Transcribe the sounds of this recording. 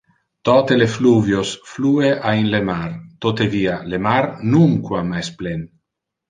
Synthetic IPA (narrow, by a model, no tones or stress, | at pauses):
t̪ɔt̪elefluvjosfluːeʔainlemart̪ot̪evialemaɾnuŋkwamajsplen